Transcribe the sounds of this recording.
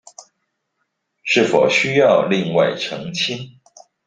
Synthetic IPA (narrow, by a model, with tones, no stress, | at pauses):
ʂɻ̩˥˩fo˨˩ʊɕy˥jɑ˥˧ʊli˥˧ŋwa˥˩ɪʈ͡ʂʰɤ˧˥ŋt͡ɕʰi˥n